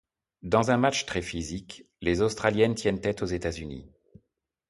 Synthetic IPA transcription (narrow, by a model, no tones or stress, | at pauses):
d̪ɑ̃zɛ̃mat͡ʃt̪χɛfizik | lezost̪χaljɛnt̪jɛnt̪ɛt̪ozet̪azynḭ